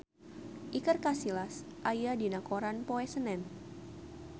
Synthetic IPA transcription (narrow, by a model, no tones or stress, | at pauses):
ʔikərkasilasʔajadinakoɾanpoɛsənɛn